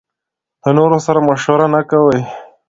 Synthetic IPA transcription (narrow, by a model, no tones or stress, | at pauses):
d̪̥ənoɾosaɾamaʃwəɾanakawəj